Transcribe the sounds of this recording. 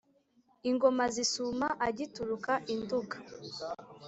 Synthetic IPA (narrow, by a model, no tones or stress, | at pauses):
iŋɡo̞mazisumaʔaɟituɾukaʔinduɡa